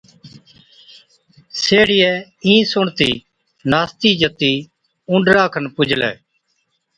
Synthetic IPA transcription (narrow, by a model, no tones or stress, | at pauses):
seːɽɪjɛː | ĩːsʊɳt̪iː | naːst̪iːd͡ʒət̪iː | ʊ̃ɳɖɾaːkʰənpʊd͡ʒʱlɛ̰ː